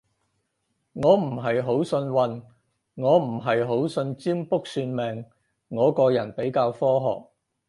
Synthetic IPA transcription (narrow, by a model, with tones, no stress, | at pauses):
ŋɔː˨˧m̩˨˩ɦɐ˨jɦo˨˥wsɵ˧nwɐ˨˧n | ŋɔː˨˧m̩˨˩ɦɐ˨jɦo˨˥wsɵ˧nt͡siː˥mpʊ˥k̚syː˧nmɛː˨ŋ | ŋɔː˨˧kɔː˧jɐ˨˩npe˨˥jkaː˧wfɔː˥ɦɔ̰ː˨k̚